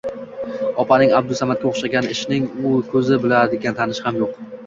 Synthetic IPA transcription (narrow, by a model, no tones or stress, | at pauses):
ɒpʰanɪŋabd̪ʊsamat̪kʲaoχʃaɡʲanɪʃnɪŋʊkʰɵzɪbɪlad̪ɪɡʲant̪ʰanɪʃhamjoq